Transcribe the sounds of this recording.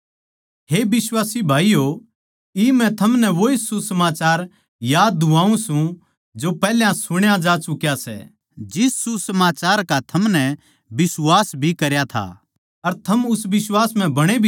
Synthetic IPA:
ɦebɪswaːsibʱaːijo | imɛ̃t̪ʰɐmnɛʋoɪsubsɐmaːt͡ʃaːɾ | jaːd̪̚ːũãːũsũ | d͡ʒopɛːljãsʊɽ̃jãd͡ʒaːt͡ʃʊkjasɛ̰ː | d͡ʒɪsːusɐmaːt͡ʃaːɾkat̪ʰɐmnɛ̃ | bɪswaːsbʱikɐɾjat̪ʰa̰ | ɐɾt̪ʰɐmʊsʋɪswaːsm̤ɛ̃bɐɽ̃ebʱ

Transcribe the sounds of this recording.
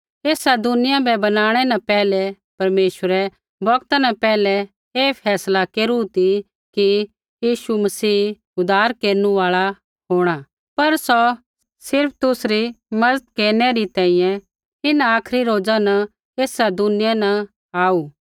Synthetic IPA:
eːsad̪ʊnɪjãbɛbɐnaːɽ̃ɛnɐpɛːlɛ | pɐɾmeːʃəɾɛ | bʱɐkt̪anɐpɛːlɛ | eːpʰɛːslakeːɾut̪i | ki | jiːʃumɐsiː | ʊd̪aːɾkeːɾnũaːɭa | ɦoːɽ̃a | pɐɾsɔ | sɪɾp̚ʰt̪ʊsɾimɐd̪ət̪̚keːɾnɛɾit̪ɛ̃ːĩjɛ̃ | ɪnaaːkʰɾiɾoːd͡zanɐ | eːsad̪ʊnɪjanɐ | aːu

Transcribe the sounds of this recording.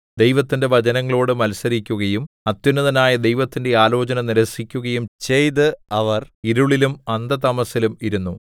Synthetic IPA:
d̪e̞jʋɐt̪ːinde̞ʋɐd͡ʑɐnɐŋːɐɭoːɽɨmɐlsɐɾikʲːuɣɐjum | ɐt̪junːɐðɐnaːjɐd̪e̞jʋɐt̪ːinde̞aːlo̞ːt͡ɕɐnɐniɾɐsikʲːuɣɐjumt͡ɕe̞jt̪̬ɨɐʋɐriɾuɭilumɐnd̪ɐt̪ɐmɐsilumiɾunːu

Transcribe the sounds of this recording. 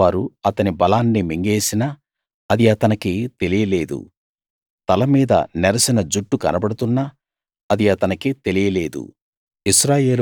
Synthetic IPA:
aːɾuɐt̪ɐnibɐlaːnːimiŋɡe̞ːsinaː | ɐd̪iɐt̪ɐnɐkit̪e̞lijɐle̞ːd̪ṵ | t̪ɐlɐmiːd̪ɐ̰nɛɾɐsɐnɐd͡ʒuʈːukɐnɐbɐɽut̪unːa | ɐd̪iɐt̪ɐnɐkit̪e̞lijɐle̞ːd̪ṵ | iʃɾaːje̞ːl

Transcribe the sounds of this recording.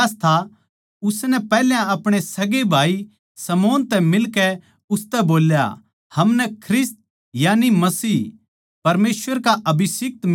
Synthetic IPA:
st̪ʰa | ʊsnɛpɛːljãɐpɽ̃esɐɡebʱaːi | sɐmɔːnt̪ɛmɪlkɛ | ʊst̪ɛboːlja̰ | hɐmnɛkʰɾɪst̪̚ | janimɐsiː | pɐɾmeːsʋəɾkaʔɐbɪsɪk̚t̪m

